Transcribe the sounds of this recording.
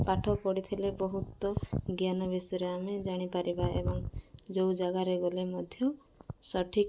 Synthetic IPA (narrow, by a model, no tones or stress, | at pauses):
paʈʰɔpɔɽit̪ʰilebɔɦut̪ɔɡjanɔbisɔɾeamed͡ʒaɽ̃ipaɾibaḛbɔŋd͡ʒowd͡ʒaɡaɾeɡolemɔd̪ʱjɔ | sɔʈʰik